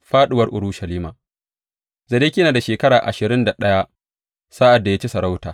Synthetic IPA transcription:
ɸaː˦ɗɪ˦wɐ˦rʔʊ˨ɾʊ˦ʃɐ˨liː˦maː˨ | zɐ˨deː˦kʲɪ˦naː˨da˨ʃeː˨kɐ˦ɾaː˨ʔa̰˨ʃɪ˨ɾɪ˦nda˨ɗɐ˦ja˦ | saː˦ʔa˨dːa˨ja˦t͡ʃi˦sɐ˨ɾa˦wtaː˨

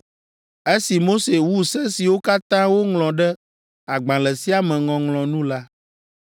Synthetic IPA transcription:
e˦si˨mo˦se˨wu˦sɛ̃˦si˨wo˦ka˦t̪ã˦wo˦ŋlɔ̃˨ɖɛ˦ | a˨ɡ͡bã˨lɛ˨si˦a˨mɛ̃˨ŋɔ̃˨ŋlɔ̃˨nũ˦la˦

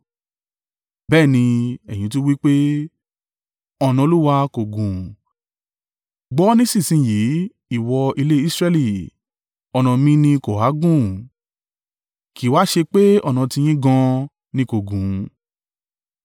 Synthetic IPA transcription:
bɛː˦˨nĩ˧ɛ˨j̃ĩ˧˦tu˦wi˦k͡pe˦ | ɔ˧nã˧lu˦wa˧ko˨ɡũ˨ | ɡ͡bɔ˨˦nĩ˦sĩ˦˨sĩ˧˨ji˨˦ | i˦˨wɔ˧i˧le˦i˦sɾɛ˧li˨ | ɔ˧nã˧mĩ˦nĩ˧ko˨ha˨˦ɡũ˦˨ | ki˨wa˦ʃe˧k͡pe˦ɔ˦˨nã˧ti˧j̃ĩ˦ɡã˧ | nĩ˧˦ko˨ɡũ˨

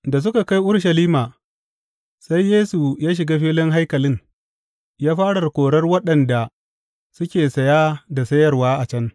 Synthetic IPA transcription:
da˨s̬ʊ˦ka˨ka˦jʔʊ˦ɽʃɐ˨liː˦maː˨ | sa˦jːeː˦su˨jaː˦ʃ̬ɪ˨ɡaː˦ɸiː˦lɪ˦ŋɦa˦jkɐ˨lɪ˦ŋ | jaː˦ɸaː˦ɽɐ˨rkʷoː˨ɽɐ˦rwɐ˦ɗɐ˨nda˨ | sʊ˦kʲeː˨sɐ˨jaː˦da˨sɐ˦jɐ˦rwaː˦ʔa˨t͡ʃɐ˦ŋ

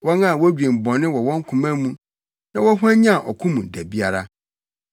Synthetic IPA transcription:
wɔ˦nã˦˨wɔ˦d͡ʑᶣẽ˨m̩˨bɔ̃˨nɪ̃˦wɔ˨wɔ̃˦ŋ˦kʰʊ̃˨mã˦mũ˦ | nã˦wɔ˦ɦu˦ɛ̃˦ɲã˦˨ʔɔ˨kʰũ˦mũ˨dæ˨bi˦a˦ɾa˦

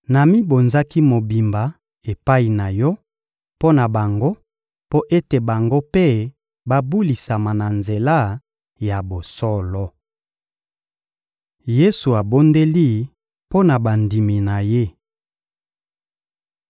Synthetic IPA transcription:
na˨mi˦bo˨nza˦ki˦mo˨bi˨mba˨ | e˨pa˦i˨na˨jɔ˦ | po˦na˨ba˨ŋɡo˦ | po˦ʔe˦te˨ba˨ŋɡo˦pe˦ | ba˦bu˦li˨sa˨ma˨na˨nze˨la˦ | ja˨bo˨sɔ˦lɔ˦ | je˦su˨a˨bo˦nde˦li˦ | po˦na˨ba˨ndi˨mi˨na˨je˦

